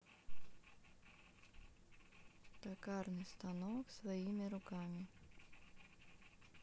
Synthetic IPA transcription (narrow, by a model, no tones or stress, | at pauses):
t̪ɐkɑɾnɨst̪ɐnɔksʋɐjimʲɪɾʊkɑmʲɪ